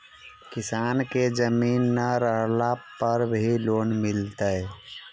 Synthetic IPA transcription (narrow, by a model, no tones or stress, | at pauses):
kɪsaːnked͡ʒəminːəɾəɾlapəɾbʱiloːnmɪlt̪əɛ